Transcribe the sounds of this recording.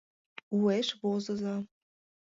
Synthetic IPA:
ueʃβozɤ̆zɑ

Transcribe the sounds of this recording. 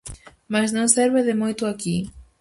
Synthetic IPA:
masnõŋseɾβeðɪmojt̪ʊaki

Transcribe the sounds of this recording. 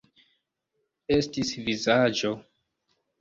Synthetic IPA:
e̞stisvizad͡ʒo̞

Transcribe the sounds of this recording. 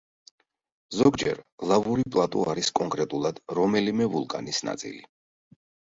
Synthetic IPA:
zɔɡd͡ʒɛ̰ɾlˠavuɾipʼlˠat̪ʼṵaɾiskʼɔŋkʼɾɛt̪ʼulˠad̪̥ɾɔmɛlimɛvulˠkʼa̰nisna̰t̪sʼḭli

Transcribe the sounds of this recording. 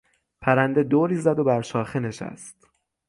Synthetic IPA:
pʰæɾænd̪e̞d̪oːɾiːzæd̪o̞bæɾʃɒːxene̞ʃæ̰st̪

